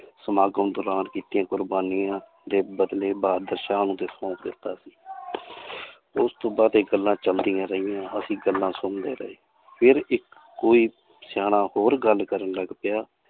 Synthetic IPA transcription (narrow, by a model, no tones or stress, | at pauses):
səmaːɡəmd̪ʊɾaːnkiːt̪ɪjãːkʊɾbaːnɪjãː | d̪eːbəd̪leːbaːɾd̪əɾʃaːnũːt̪eːsɔ̃ːkd̪ɪt̪ːaːsi̥ː | ʊst̪õːbaːd̪eɡəlːãːt͡ʃəld̪ijãːɾəɦɪjãːəsĩːɡəlːãːsʊmd̪eːɾə̰eː | pʰɪɾɪkː | oːiː | sjaːnaːhoːɾɡəlkəɾənləɡpɪjaː